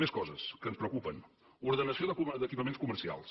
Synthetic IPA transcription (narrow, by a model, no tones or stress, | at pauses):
eskɔzəskənspɾəwkupən | uɾðənəsioðəkd̪əkipəmenskuməɾsia̰lˠs